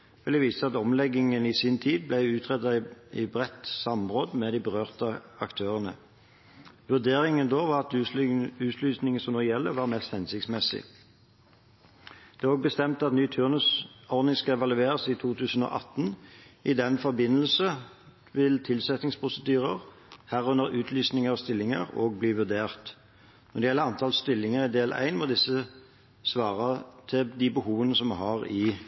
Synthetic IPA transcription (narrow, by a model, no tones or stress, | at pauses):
ʋɪləʋiːsəɑt̪ɔmlɛɡɪŋənɪsiːnt̪ʰiːd̪̚blæɪʉːt̪ʰʁɛt̪ːɑɪbʁɛt̪ːsɑmʁoːd̪mɛd̪iɪbəʁøːʁt̪əɑkt̪ʰøːʁənə̰ | ʋʉʁd̪eːʁɪŋənd̪oːʋɑʁɑt̪ | ʉːt̪ʰlyːsnɪŋənsɔmnɔːjɛlːəʋɑːʁmɛst̪hɛnsɪk̚t̪smɛsɪ̰ | d̪̥ɛæʁɔɡ̚bəst̪ɛmt̪əɑt̪nyːt̪ʰʉːʁnəsɔʁnɪŋskɑɛʋɑlʉeːʁəsiːt̪ʰuːt̪ʰʉːsən̩o̰ʔɑt̪ːnɪd̪ɛnfɔʁbɪnːəlsə | ʋɪlt̪ʰɪlsɛt̪nɪŋspʰʁʊsəd̪yːʁəʁ | hæːʁʉnəʁʉːt̪ʰlyːsnɪŋəʁɔst̪ɪlːɪŋə̰ʁoːɡ̚bliːʋʉʁd̪eːʁt̪ | nɔʁd̪ɛjɛlːəɑnt̪ʰɑlst̪ɪlːɪŋəʁɪd̪eːlʔæ̰ɪnmɔd̪ɪsːə | sʋɑːʁɑt̪ʰɪd̪ɪbəhuːʋənəsɔmhɑʁɪ